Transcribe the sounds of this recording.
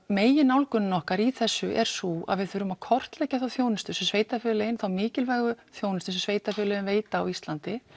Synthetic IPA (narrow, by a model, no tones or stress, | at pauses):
meːjɪnawlkʏnnɔhkaɾiθɛsːʏʔɛɾ̥sua̰ðvɪðθfʏɾʏmḁkʰɔr̥t̪lɛhcːaθawθjoːwnɪst̪ʏsɛmsveːjt̪afɪːlɛjɪnθawmɪːcɪlvaːjɣʏθjoːwnɪst̪ʏnsɛmsveːjt̪afʏlɛjɪnveːjt̪aːwist̪lant̪ɪ